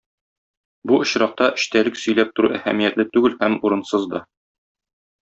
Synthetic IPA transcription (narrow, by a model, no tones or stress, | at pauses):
buŏɕɾɑq̚t̪ɑʔɘ̆ɕt̪ælɘksɵ̆jlæp̚t̪ŭɾuʔæhæ̰mijæt̪lɘt̪ʉɡɘlhæmuɾɤ̆nsɤzd̪ɒ